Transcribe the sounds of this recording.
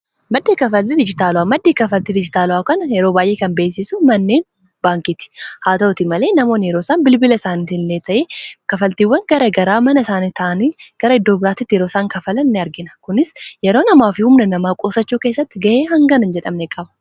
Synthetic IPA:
mɐd̪ːeːkɐfɐlːid̪ɪd͡ʒɪt̪aːlʊaːmɐd̪ːeːkɐfɐlt̪ɪd̪ɪd͡ʒɪt̪aːlʊaːkɐnɐjɛɾoːbaːjʔe̞ːkɐnbe̞ːsɪsʊmɐnːe̞ːn | baːŋkɪt̪ɪ̥haːt̪ɐʊt̪ɪmɐle̞ːnɐmo̞ːnɪjɛɾo̞ːsaːnbɪlbɪlɐɪsaːnɪt̪ɪnleːt̪ɐʔekɐfɐlt̪iːwːɐŋɡɐɾɐɡɐɾaːmɐnɐɪsaːnɪt̪ɐʔɐniːɡ̥ɐɾɐɪd̪ːo̞ːbɪɾaːt̪ɪt̪ːɪjɛɾo̞ːsaːŋkɐfɐlɐnnːɪɐɾɡɪnɐkʊnɪsjɛɾo̞ːnɐmaːfɪhʊmnɐnɐmaːkʼo̞ːsɐt͡ʃːuːkeːsːɐt̪ːɪɡɐheːɦɐŋɡɐnɐnd͡ʒɛᶑɐmnɛkʼɐbɐ̥

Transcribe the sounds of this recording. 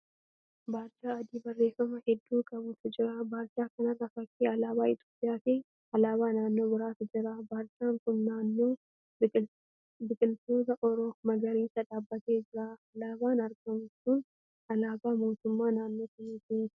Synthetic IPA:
baːɾt͡ʃʼːaːɐd̪iːbɐrːe̞ːfːɐmɐhɛd̪ːuːkʼɐbʊt̪ʊd͡ʒɪɾɐbaːɾt͡ʃʼːaːkɐnɐrɐfɐkʼːeːɐlaːbaːɪt̪ʰʼoːpʼɪjaːk̪eː | ɐlaːβaːnaːnːo̞ːbɪɾaːt̪ʊd͡ʒɪɾabaːɾt͡ʃʼːaːŋkʊnnaːnːoː | bɪkʼɪlt̪oːt̪ɐʔɔɾoːmɐɡɐɾiːnsɐᶑaːbːɐt̪e̞ːd͡ʒɪɾaːɐlaːbaːnɐɾɡɐmʊsuːn | ɐlaːbaːmo̞ːt̪ʊmːaːnaːnːoːkɪniːt̪ɪnː

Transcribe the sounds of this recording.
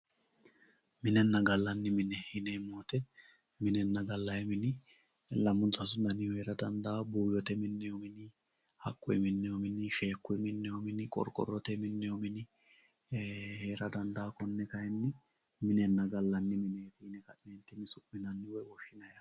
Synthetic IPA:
mɪnɛnːɐɡɐlːɐnːɪmɪnɛhɪnɛmoːt̪ɛ | mɪnɛnːɐɡɐlːɐjɛmɪnɪ | lɐmʊnsɐs̬ʊd̪ɐnɪjɔheːɾɐd̪ɐnd̪aːbuːjɔt̪ɛmɪnːɛjɔmɪnɪ | hɐ̰kːɔjmɪnːɛjɔmɪnɪʃe̞ːkːʊjmɪnːɛjɔmɪnɪkʼɔ̰ɾkʼɔ̰rːɔt̪ɛmɪnːɛjɔmɪnɪ | heːɾɐd̪ɐnd̪aːkɔnːɛkɐjɛnːɪ | mɪnɛnːɐɡɐlːɐnːɪmɪnɛːt̪ɪɪnɛkɐɪmeːnt̪ːɪmɪsʊmɪnɐnːɪwɔwɔʃːɪnɐjɐ

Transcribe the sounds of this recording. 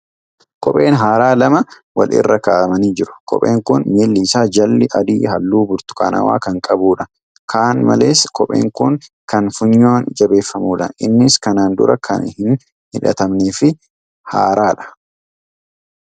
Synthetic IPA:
kɔpʼe̞ːnɦaːɾaːlɐmɐ | wɐ̰lʔɪ̰rːɐkaːʔɐmɐniːd͡ʒɪɾʊ̥kɔ̰pʼe̞̰ːŋkʊnmeːlːiːsaːd͡ʒɐlːɪʔɐd̪iːhɐlːuːbʊɾt̪ʊ̥kʰʼa̰ːnɐ̰wa̰ːkɐŋkʼɐbuːᶑɐ | kʰaːnmɐ̰le̞ːskʰɔpʼe̞̰ːŋkʊn | kɐnfʊɲːoːnd͡ʒɐbe̞ːfːɐmuːᶑɐʔɪ̰nːɪskɐnaːnd̪ʊ̰ɾɐkʰɐ̰nhɪn | hɪᶑɐ̰t̪ɐmneːfɪ | ha̰ːɾaːᶑɐ̥

